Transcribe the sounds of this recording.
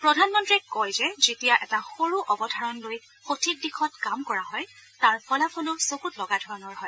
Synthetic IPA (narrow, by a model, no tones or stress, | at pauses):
pɹɔdʱanmɔntɹɛkɔjzɛzetijaʔɛtaxoɹuʔɔbɔdʱaɹɔnloj | xotʰik̚dixʰɔtkamkɔɹaɦɔjtaɹpʰɔlapʰɔlʊsokutlɔɡadʱɔɹɔnɔɹɦɔj